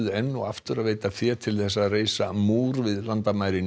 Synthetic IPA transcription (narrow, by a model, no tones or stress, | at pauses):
ðʏɛnːʊa̰ft̪ʏɾaðveːjt̪afjɛːt̪ʰɪlθɛsːaðreːjsamuːɾvɪðlant̪amaːjɾɪn